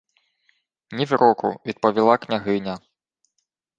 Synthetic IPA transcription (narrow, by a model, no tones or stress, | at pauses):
nʲivʲɾɔkṵvʲid̪̚pɐvʲilˠaknʲaɣɨnʲɐ